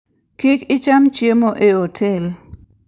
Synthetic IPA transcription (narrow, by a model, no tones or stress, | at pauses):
kikɪt͡ʃamt͡ʃjemoʔeotʰel